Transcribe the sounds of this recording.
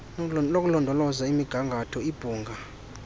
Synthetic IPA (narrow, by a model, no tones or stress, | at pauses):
nok̬ʼulɔndʱɔlɔzaimiɡ̥ʱaŋɡʱatʰɔib̥ʱuːŋɡʱa